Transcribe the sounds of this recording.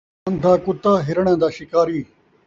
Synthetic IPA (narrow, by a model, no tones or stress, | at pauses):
nd̪aːkʊt̪ːaːɦɪɾəɽ̃ãːd̪aːʃɪkaːɾiː